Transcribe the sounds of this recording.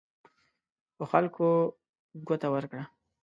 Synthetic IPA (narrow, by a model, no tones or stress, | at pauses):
pəxalko | ɡot̪awəɾkɽa